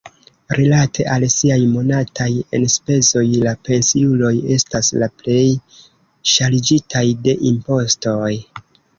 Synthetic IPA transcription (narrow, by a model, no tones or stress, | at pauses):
ɾilatʰe̞ʔalsiajmo̞natʰaje̞nspe̞zo̞jlape̞nsiulo̞je̞staslaple̞j | ʃalid͡ʒitʰajde̞ʔimpo̞sto̞j